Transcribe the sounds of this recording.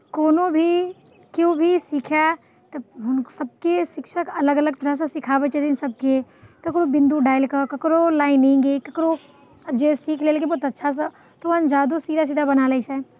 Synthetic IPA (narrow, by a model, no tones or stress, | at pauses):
koːnobʱi | kjobʱisiːkʰɛ | t̪ɐɦʊnsəb̚kesɪkʃəkɐləɡələɡ̚t̪əɾəɦsẽsɪkʰaːbət͡ʃet̪insɐb̚ke | kɐkɾobɪ̃nd̪uɖaːɪlkəkɐkɾolaːɪnĩŋɡekɐkɾo | d͡ʒesiːkʰleːlkebɔːt̪ɐtːʃʰas̬ə | t̪oʋə̃nd͡ʒaːd̪usiːd̪ʱas̬iːd̪ʱabɐnaːlɛt͡ʃʰaɛ